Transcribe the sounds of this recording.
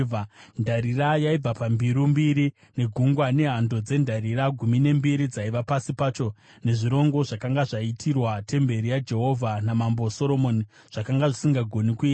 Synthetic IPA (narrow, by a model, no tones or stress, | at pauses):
andaɾirajaib͡vapambiɾumbiɾi | ne̞ɡʱuŋɡwane̞ɦando̞d͡ze̞ndaɾiraɡʱumine̞mbiɾid͡zaiʋapasipaːt͡ʃo̞ | ne̞ʐiɾo̞ŋɡo̞ʐakaŋɡaʐaitʰirwate̞mbe̞ɾijad͡ʒe̞ɦo̞vʱanamamboso̞ɾo̞mo̞ni | ʐ̥akaŋɡaʐisiŋɡaɡʱonikuiːta